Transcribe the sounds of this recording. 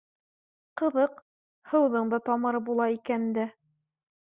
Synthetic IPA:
qɤ̆ðɤq | hɤ̆wðɤɴd̪ɑt̪ɒmɤɾɤp̚bulˠɑikænd̪æ

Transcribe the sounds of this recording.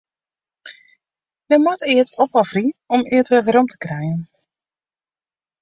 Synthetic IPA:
dɛmɔtɪətɔpɔfriɔmɪətʋɛvəɾɔmtʰə̥krɛjən

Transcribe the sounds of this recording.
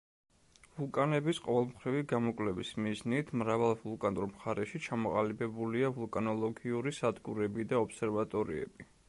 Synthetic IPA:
vulˠkʼanɛbisqʼɔvɛlˠmχɾiviɡamɔkʼlɛvismiznit̪ʰmɾavalˠvulˠkʼanɾmχaɾɛʃit͡ʃʰamɔqʼalibɛbuliavulˠkʼanɔlˠɔɡiuɾisad̪ɡuɾɛbid̪aɔpsɛɾvat̪ʼɔɾḭɛ̰bi

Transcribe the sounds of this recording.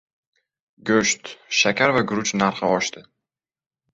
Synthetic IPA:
ɡɵʃt̪ʃakʲaɾvaɡʊɾʊt͡ʃnaɾχɨɒʃt̪ɪ

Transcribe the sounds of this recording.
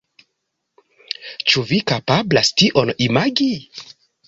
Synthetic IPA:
t͡ʃuvikapablastiʔo̞nimaɡi

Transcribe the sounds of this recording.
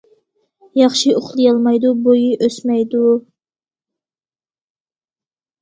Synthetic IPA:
jɑχʃiʔoχlˠɨjɑlˠmɑjd̪ubojiʔøsmɛjd̪u

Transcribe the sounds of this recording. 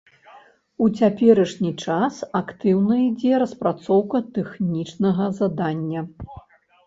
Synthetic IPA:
ut͡sʲapʲɛɾɐʂnʲit͡ʂasakt̪ɨwnɐid͡zʲɛɾɐspɾat̪sɔwkɐt̪ɛxnʲit͡ʂnɐɣɐzad̪anʲːɐ

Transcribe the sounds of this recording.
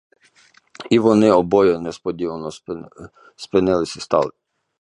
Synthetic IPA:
iʋɔnɪɔbɔjɛnɛspɔd̪ʲiʋɐnɔ | spɪnɪlˠɪsʲɛst̪ɑ̰lˠɪ

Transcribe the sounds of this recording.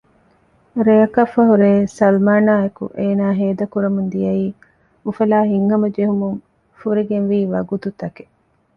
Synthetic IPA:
ɾeɐkɐfːɐɦuɾeːsɐlmaːnaːekṵʔeːnaːɦeːd̪ɐkuɾɐmund̪ijɐiː | ufɐlaːɦiŋhɐmɐd͡ʒeɦumuŋ | fuɾiɡenʋiːʋɐɡut̪ut̪ɐke̥

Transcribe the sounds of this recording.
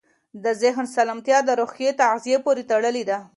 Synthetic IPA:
d̪əzɪɦnsalamt̪jɑd̪əɾoxjet̪azijepoɾet̪aɽəled̪a

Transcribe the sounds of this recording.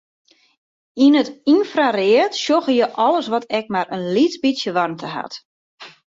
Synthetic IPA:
inətinfrarɪətʃjoɣəjəʔɔləsʋɔtɛk̚maɾənlitbisjəʋɔrntʰəha̰t

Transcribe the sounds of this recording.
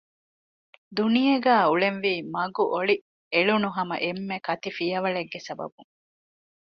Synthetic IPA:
d̪unijɐɡæːuɭenʋiːmɐɡuʔoɭi | eɭunuɦɐmɐ̰ʔemːekɐt̪ifijɐʋɐɭeɡːesɐbɐ̰buŋ

